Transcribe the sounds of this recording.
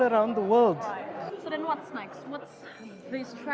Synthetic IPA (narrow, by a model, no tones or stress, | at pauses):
əɾãʊ̃ndðəwəldsoðɛ̃nwɔtsnaɪkswɔtsðiz̥tʰɹ